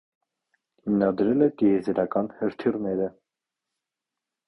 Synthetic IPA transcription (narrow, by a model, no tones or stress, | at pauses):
hinɑd̪ɾɛlɛt̪iɛzɛɾɑkɑnhəɾt̪ʰirnɛɾə